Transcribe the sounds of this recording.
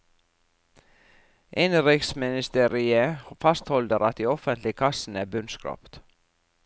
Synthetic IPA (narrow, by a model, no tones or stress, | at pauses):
ʔɪnɾɪksmɪnɪst̪eːɾɪəfɑst̪hɔld̪əɾɑt̪̚d̪iːɔfənt̪lɪkʰɑsn̩æːbʉnskɾɑ̰ːpt̪